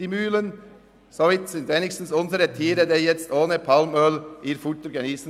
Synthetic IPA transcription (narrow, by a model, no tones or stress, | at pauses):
ɪmʉːlən | sɔʋɪt̪sɪnd̪ɛnɪksn̩sɔnsəɾət̪ʰiːɾəd̪ejɛt̪st̪oːnəpʰɑlmœlʔiːɾfʊʈ̪əɾɡɑniːsən